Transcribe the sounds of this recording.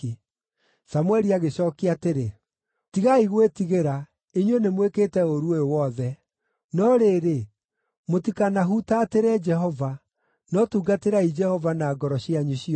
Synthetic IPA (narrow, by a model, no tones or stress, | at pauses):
samwɛɾiaɣeɕɔkiateɾe | tiɣaiɣwetiɣeɾa | iɲwenemweketɛoɾuewɔðɛ | nɔɾeːɾe | motikanaɦutaːteɾɛd͡ʒɛɦɔva | nɔtuːɡateɾaid͡ʒɛhɔvanaːɡɔɾɔɕjaɲuɕi